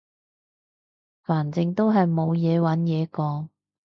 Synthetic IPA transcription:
faː˨˩nt͡sɪ˧ŋt̪o˥wɦɐ˨jmo˨˧wjɛː˨˧wɐ˨˥njɛː˨˧kɔː˨˧ŋ

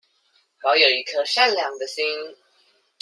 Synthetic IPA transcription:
xɑ˧˥jo˨˩i˧˥kʰɤ˦ʂa˥nljɑ˨˥˦ŋd̪ə˨si˦˥n

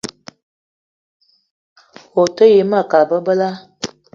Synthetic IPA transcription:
o˨tə˦je˨˦ma˦˨ka˨lbə˦bə˦la˦

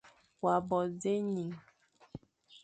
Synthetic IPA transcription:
wa˨bɔ˨ze˦ɲi˨ŋ

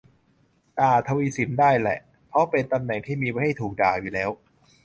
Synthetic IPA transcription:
t̪aː˨˩t̪ʰa˧wiː˧si˩˦mdaː˥˩jlɛ̰˨˩ʔ | pʰɔ˦˥pe˧nt̪a˧mnɛ˨˩ŋt̪ʰiː˥˩miː˧wa˧˦ha˥˩jt̪ʰuː˨˩k̚daː˨˩juː˨˩lɛː˦˥w

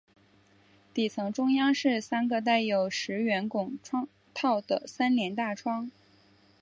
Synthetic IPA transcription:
t̪i˨˩t͡sʰɤ˧˥ŋʈ͡ʂʊ˥ŋjɑ˥ŋʂɻ̩˥˩sa˥nɡə˧t̪̬a˥˩ɪjo˨˩ʊʂɻ̩˧˥ɥɛ˧˥nkʊ˨˩ŋʈ͡ʂʰwɑ˥ŋ | t̪ʰɑ˥˩ʊd̪ə̰˩sa˥nljɛ˧˥nt̪a˥˩ʈ͡ʂʰwɑ˥ŋ

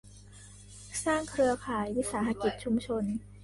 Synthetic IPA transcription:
saː˥˩ŋkʰɾɯ˧ɐpʰaː˨˩jwi˦˥saː˩˦ɦa˧ki˨˩t̪̚t͡ɕʰu˧mt͡ɕʰo˧n

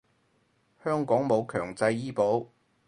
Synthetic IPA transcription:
hœː˥ŋkɔː˨˥ŋmo˨˧wkʰœː˨˩ŋt͡sɐ˧jiː˥po˨˥w

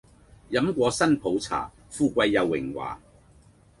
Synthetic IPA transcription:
jɐ˨˥mkʷɔː˧sɐ˥npʰo˨˥wt͡sʰa̰ː˨˩ | fuː˧kʷɐ˧jːɐ˨˧wːɪ̰˨˩ŋwa̰ː˨˩

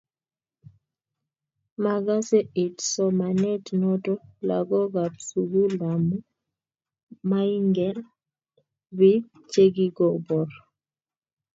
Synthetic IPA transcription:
ma˨ɡa˦sɛ˦ʔɪ˨tsɔ˦ma˨nɛ˦tnɔ˦tɔ˦la̰˨ɡɔ˦ɡa˨psu˨ɡu˦la˨mu˦ | ma˦i˦ŋɡɛ˦l | wi˦ | t͡ʃe˦ɡi˦ɡɔ˨bɔ˨ɾ

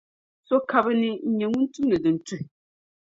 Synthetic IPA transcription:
so˦ka˦bɨ˦nɨ˦ɲ̩˨˦ɲɛ˨ŋu˦n˦tu˦m˦nɨ˨dɨ˨n˨tu˦hɪ˨

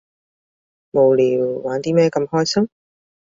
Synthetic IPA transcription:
mo˨wliː˨˩wːaː˨˥nt̪iː˥mɛː˥kɐ˧mhɔː˥jsɐ˥m

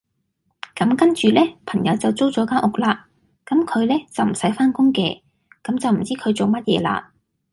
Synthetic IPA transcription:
kɐ˨˥mkɐ˥nt͡ʃyː˨lɛː˥pʰɐ˨˩ŋjɐ˨˧wt͡sɐ˨wt͡so˥wt͡sɔː˨˥kaː˥ʔʊ˨k̚laː˧ | kɐ˨˥mkʰɵ˨˧ɥlɛː˥t͡sɐ˨wm̩˨˩sɐ˨˥jfaː˥nkʊ˥ŋkɛ̰ː˧ | kɐ˨˥mt͡sɐ˨wm̩˨˩t͡siː˥kʰɵ˨˧ɥt͡so˨wmɐ˥t̚jɛ̰ː˨˧la̰ː˧

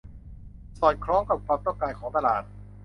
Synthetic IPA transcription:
sɔː˨˩t̪̚kʰɾɔː˦˥ŋka˨˩p̚kʰwaː˧mt̪ɔ˥˩kaː˧jkʰɔː˩˦t̪a˧laː˨˩t̪̚

